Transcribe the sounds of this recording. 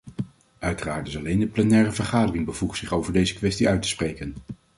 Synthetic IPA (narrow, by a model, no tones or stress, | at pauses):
ʔœɥtəraːɹtɪsɑlejndəplɛnɛːrəvəɹχaːdərɪŋbəvuχsɪχowvəɹdejzəkʋɛstiœɥtə̥sprejkən